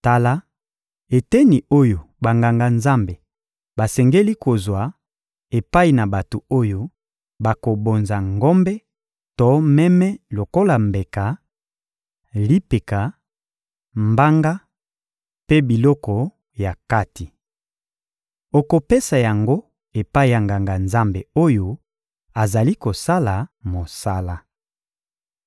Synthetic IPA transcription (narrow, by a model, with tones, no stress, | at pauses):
ta˨la˦ | e˨tɛ˦ni˨o˦jo˨ba˨ŋɡa˨ŋɡa˨nza˦mbe˨ | ba˨sɛ˨ŋɡe˦li˦ko˨zwa˨ | e˨pa˦i˨na˨ba˨to˨o˦jo˦ | ba˨ko˨bo˨nza˨ŋɡɔ˦mbɛ˦ | tɔ˦mɛ˦mɛ˦lo˨ko˦la˨mbe˨ka˨ | li˦pe˨ka˨ | mba˦ŋɡa˦ | pe˦bi˨lɔ˦kɔ˨ | ja˨ka˦ti˨ | o˨ko˨pe˦sa˨ja˨ŋɡo˦ | e˨pa˦i˨ja˨ŋɡa˨ŋɡa˨nza˦mbe˨o˦jo˦ | a˨za˨li˦ko˨sa˦la˨mo˨sa˦la˨